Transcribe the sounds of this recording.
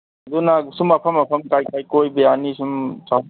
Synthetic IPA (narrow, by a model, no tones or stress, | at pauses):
dunasumɐpʰɐmɐpʰɐmkajkajkojbejanisumsaw